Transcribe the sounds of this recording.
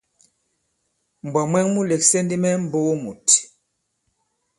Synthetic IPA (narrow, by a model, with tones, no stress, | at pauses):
m̩˨bwa˨mwɛ˦ŋmu˦lɛ˨k̚sɛ˦ndi˦mɛ˦m̩˨bo˦o˦mu˨ti˨